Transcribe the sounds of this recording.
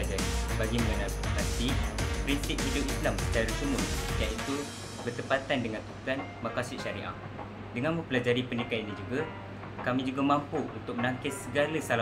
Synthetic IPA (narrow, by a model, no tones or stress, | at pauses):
ad͡ʒaɾibaɡiməŋalanat̪ipɾinsip̚hidoʔislamsə̥t̪aɾusimʊnjaʔit̪u | bərt̪əpat̪andəŋãnt̪uk̪an | makasiʔʃaɾḭʔa̰ | dəŋanmə̃mpəlad͡ʒaɾipənikaanɲid͡ʒuɡa | kamĩd͡ʒuɡamãmpuunt̪ʊk̚mənaŋkɪssəɡalasala